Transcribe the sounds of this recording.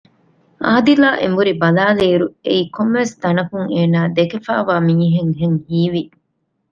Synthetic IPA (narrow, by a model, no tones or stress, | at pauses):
ʔaːd̪ilaːʔḛmbuɾibɐlaːleːɾueiːkomʋest̪ɐnɐkuŋeːnaːd̪ekefa̰ːʋaːmiːɦeŋɦeŋhiːʋi